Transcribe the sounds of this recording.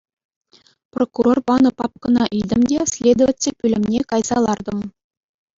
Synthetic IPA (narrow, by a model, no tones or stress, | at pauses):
prokurorpɑnɤ̆pɑp̚kɤ̆nɑʔid̪ʲɘ̆mdʲesʲlʲed̪ŏvʲɘtʲːepʲylʲɘ̆mnʲekɑjz̥ɑlˠɑrd̪ɤ̆m